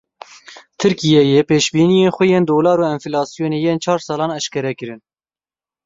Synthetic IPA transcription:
t̪ʰɨɾkijɛjepeːʃbiːnijeːnxʷɛjeːnd̪oːlɑːɾoːɛnfilɑːsijoːneːjeːnt͡ʃʰɑːɾsɑːlɑːnɛʃkɛɾɛkɨɾɨn

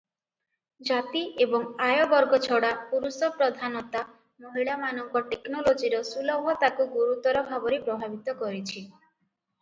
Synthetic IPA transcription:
d͡ʒat̪iebɔŋajɔbɔɾɡɔt͡ʃʰɔɽapuɾusɔpɾɔd̪ʱanɔt̪a | moɦiɭamanɔŋkɔʈeknɔlod͡ʒiɾɔsulɔmʱɔt̪akuɡuɾut̪ɔɾɔbʱabɔɾipɾɔbʱabit̪ɔkɔɾit͡ʃʰi

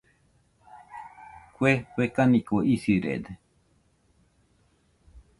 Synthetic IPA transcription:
kʷewekanĩkoisɨɾḛd̪e

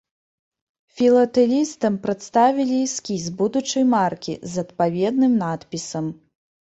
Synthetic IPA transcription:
fʲilˠɐt̪ɛlʲist̪ɐmpɾɐt̪st̪avʲilʲiskʲizbud̪ut͡ʂɐjmarkʲḭzɐt̪pavʲɛd̪nɨmnat̪pʲisɐm

